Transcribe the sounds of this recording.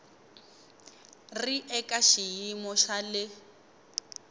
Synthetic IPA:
riʔɛkaʃijimɔʃalɪ

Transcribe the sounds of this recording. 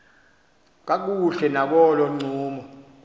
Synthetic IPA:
k̬ak̬uɬɛnak̬ɔlɔŋ͡ǀʱuːmɔ

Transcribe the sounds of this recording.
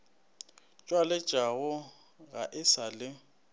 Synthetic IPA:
t͡ʃʼwalɛt͡ʃʼaɣʊ | ɣaʔɪsalɪ

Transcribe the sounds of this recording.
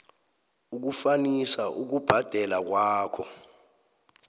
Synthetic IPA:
uk̬ufanisaʔuk̬ub̥ʱad̥ʱɛlak̬waːkʰɔ

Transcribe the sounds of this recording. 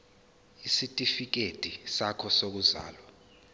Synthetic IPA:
isitʼifik̬etʼisakʰɔsok̬uza̰ːlwa

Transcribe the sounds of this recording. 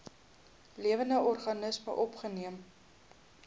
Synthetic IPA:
liəvəndəʔɔrχɐnəsmə̰ʔɔpχəniəm

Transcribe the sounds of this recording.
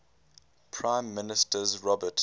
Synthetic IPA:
pʰɹãɪ̃mːɪnɪstəzɹɔbət

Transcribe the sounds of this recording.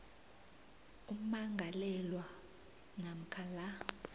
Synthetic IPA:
um̩maŋɡʱalɛlwa | nam̩kʰala

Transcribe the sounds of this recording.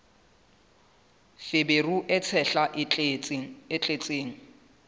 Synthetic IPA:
feberuʔɛt͡sʰɛɬaʔ | ɪt͡ɬʼet͡sʼeːŋ̩

